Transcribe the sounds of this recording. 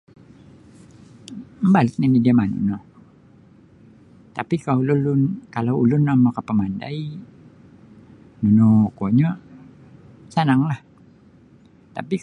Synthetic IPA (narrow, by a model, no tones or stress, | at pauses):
mbalɪt̪̚nanidiamanṵno | t̪apikaulʊlʊnkalawulʊnːamakapəmanda̰i | nunokoɲa | sanaŋlah | t̪a̰pi